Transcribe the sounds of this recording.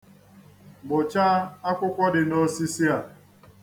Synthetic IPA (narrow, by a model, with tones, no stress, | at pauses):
ɡ͡bʊ˨t͡ʃa˦a˦kʷʊ˦kʷɔ˦dɪ˨no˦si˦si˦a˨